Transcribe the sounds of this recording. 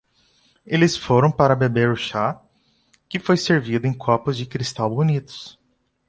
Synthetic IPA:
elɪsfoɾɐ̃w̃paɾɐbebeɾʊʃa | kɪfojseɾvid̪ʊẽj̃kʰɔpʊzd͡ʒɪkɾist̪awbonit̪ʊ̥s

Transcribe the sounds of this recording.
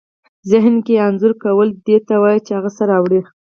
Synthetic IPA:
zɪɦnkeanzʊɾkawəld̪et̪awɑjit͡ʃehaɣasaɾawɽi

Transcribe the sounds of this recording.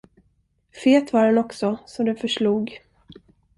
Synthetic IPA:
feːt̪vaɾɛnɔksɔsɔd̪ɛfœʂluːɡ

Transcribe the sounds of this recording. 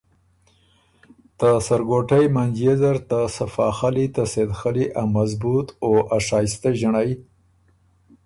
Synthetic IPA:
t̪asaɾɡoʈajmand͡ʒezaɾt̪asafɑxalit̪ased̪xaliʔamazbut̪oʔaʂɑːjst̪aʒaɳaj

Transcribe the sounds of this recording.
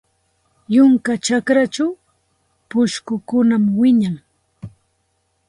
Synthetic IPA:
jʊŋkat͡ʃakɾat͡ʃaw | pʊʃkʊkʊnamwɪɲaŋ

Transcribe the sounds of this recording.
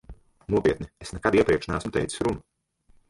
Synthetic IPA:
nuɔpʲiɛt̪̚niesnɛkad̪iɛpɾiɛkʃnæːsmt̪ɛ̰jt̪si̥sɾunu

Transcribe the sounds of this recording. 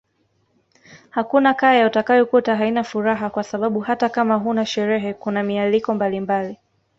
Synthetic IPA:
hakunakajautakajɔkutaɦainafuɾaɦakwasaɓaɓuhatakamaɦunaʃɛɾɛɦɛkunamialikɔmbalimbali

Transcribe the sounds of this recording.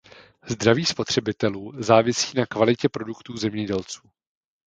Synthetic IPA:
zd̪ɾaviːspo̞t̪r̝̥ɛbɪt̪ɛluːzaːvɪsiːnakvalɪcɛpɾo̞dukt̪uːzɛmɲɛɟɛlt͡su̥ː

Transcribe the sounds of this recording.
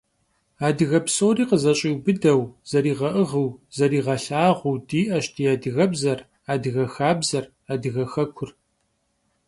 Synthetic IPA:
aːdɨɣɐpsoːriːqəzɐɕʼiwbɨdɐwz̥ɐɾiːʁɐʔɨʁəwz̥ɐɾiːʁɐɬaːʁʷʊwdiːʔɐʃtʰiadɨɣɐbzɐr | aːdɨɣɐxaːbzɐr | aːdɨɣɐxɐkʷʰʊr

